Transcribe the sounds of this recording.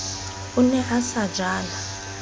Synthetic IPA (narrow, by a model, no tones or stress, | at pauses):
unɛʔasḁd͡ʒʱaːla